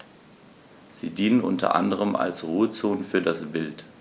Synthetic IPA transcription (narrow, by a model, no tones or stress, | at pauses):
z̥iːdiːnənʔʊ̰ntʰɐ̰ʔa̰ndəʁəma̰lsʁuːət͡soːnfyːɐdasb̥ɪlt